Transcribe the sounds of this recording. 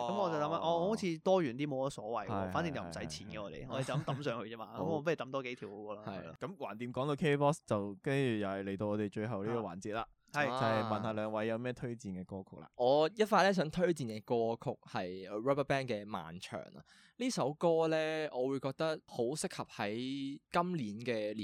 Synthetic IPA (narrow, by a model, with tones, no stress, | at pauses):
kmɔ˨˧t͡sɐ˨wlɐ˨˦mla˧ʔɔː˧ɔ˧ho˨˥t͡sʰiː˧t̪ɔː˥jyː˨˩nt̪iː˥mo˨˧wkɔ˧˥sɔː˨˥wɐ˨˩jwɔː˨˧jfaː˨˦˥ni˨˧ŋt͡sɐ˨˩m̩˨˩sɐ˨˥jt͡sʰiː˨˥nkɛ˧ɔː˨˧t̪ḛ˨˩jɔː˨˧e˨˩t͡sɐ˨lnt̪ɐ˨˥msœː˧˥ŋhɵ˧t͡sɛː˥maː˧kɐ˦˧mɔː˨˧p̬jt̪ɐ˨˥mt̪ɔː˥ke˨˥jt̪ʰiː˨˩who˨˧wkɔː˧la˧ɐ̰˨jkɐ˨˥mwaː˨˩nt̪iː˨˩mkɔː˨˥ŋt̪o˧wkʰe˥pɔː˥st͡sɐ˨wkɐ˥nt͡ʃyː˨˩jɐ˨˩hɐ˨˩le˨˩jt̪o˧wɔː˨˧t̪e˨jt͡ʃɵ˧ɥɦɐ˨wliː˥kɔː˧wa̰ː˨˩nt͡siː˨t̚laː˧ | ɐ˨jt͡sɐ˨˩hɐ˨jmɐ˨nhaː˨˧lœː˨˧˥ŋwɐ˨˥jːɐ˨˧wmɛː˥˩t̪ʰɵ˥ɥt͡siː˨nkɛː˧kɔː˥kʰʊ˥k̚la̰ː˧ʔɔː˨˧jɐ˥t̚faː˧t̚lɛː˥s̬œː˨˥ŋt̪ʰɵ˥ɥt͡siː˨˩nkɛː˧kɔː˥kʰʊ˥k̚hɐ˨jɹɐ˥pɐ˥pɛː˥nkɛː˧ma̰ː˨nt͡ʃʰœ̰ː˨˩ŋɐ̰˨ | liː˥sɐ˨˥wkɔː˥lɛː˥ɔː˨˧wuː˨˧jkɔː˧k̚t̪ɐ˥k̚ho˨˥wsɪ˥k̚hɐ˨p̚hɐ˨˥jkɐ˥mliː˨˥nkɛː˧li˨